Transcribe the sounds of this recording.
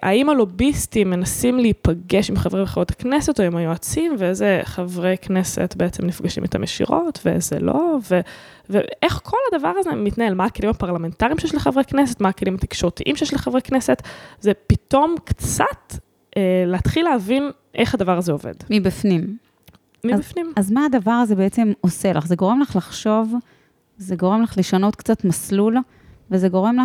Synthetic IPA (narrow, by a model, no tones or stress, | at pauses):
ʔaimalo̞bistimːenasimleipaɡeʃimχavʁeveχavʁotḁknesetoomajuat͡simveezeχavʁeknesḛetbeet͡semnifɡaʃḭmet̪a̰mʔeʃḭʁo̞tvezḛlove | vḛʔeχkʰo̞ladavaʁazemitnae̞lmaakelimapaʁlame̞ntaʁimʃejɛʃleχavʁeknesetmaːkelimhat̪i̥kʃoʁt̪iʔimʃejɛʃleχavʁeknese̞tzepit̪o̞mkt͡sat̪ | ʔeleat̪χileavin | ʔeχad̪avaʁazeo̞vḛdmibifnim | mifnimazmaːd̪avaʁazebeet͡se̞mose̞la̰χze̞ɡo̞ʁe̞mlaχlaχʃo̞v | zeɡo̞ʁe̞mlaχleʃano̞t̪̚kt͡sat̪maslul | vezeɡo̞ʁe̞mla